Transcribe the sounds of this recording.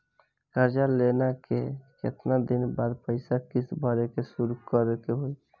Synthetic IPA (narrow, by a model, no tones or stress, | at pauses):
kəɾd͡ʒalenakekḛt̪nad̪inbad̪pəɪsakisbʱəɾekesuɾukəɾkeɦoj